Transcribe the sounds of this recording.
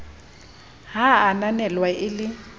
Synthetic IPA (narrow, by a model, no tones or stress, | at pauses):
ɦaːnanɛlwaʔɪlɪ